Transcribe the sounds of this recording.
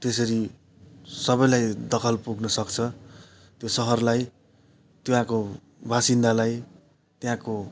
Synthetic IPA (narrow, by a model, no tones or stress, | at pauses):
t̪es̬ʌɾi | sʌbʌjlajd̪ʌkʰʌlpuɡnʌsʌkt͡sʰʌ | t̪josʌɦʌrlaj | t̪iwãko | bʱasind̪alaj | t̪jãko